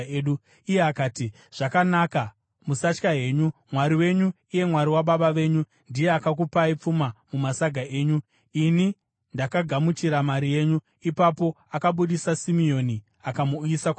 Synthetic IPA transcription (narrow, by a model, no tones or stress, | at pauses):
ɗu | ije̞akaːti | ʐ̥akanaka | musat͡ʃkaɦe̞ːɲumwaɾiwe̞ɲu | ije̞mwaɾiwaɓaɓaʋe̞ɲu | ndije̞akak̬upaip͡fumamumasaɡʱae̞ːɲu | ini | ndakaɡʱamut͡ʃiɾamaɾije̞ːɲu | ipapo̞ | akaɓuɗisasimio̞ni | akamuuisak